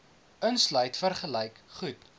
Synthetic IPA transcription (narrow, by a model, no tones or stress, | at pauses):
ənslœɥtfərχəlɛjkχut